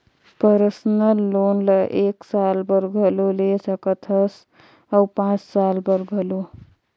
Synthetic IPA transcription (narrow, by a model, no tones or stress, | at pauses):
pəɾəsnəlːonləʔeksalbəɾɡʱəlolesəkət̪ʰəs | awpãt͡ʃsalbəɾɡʱəlo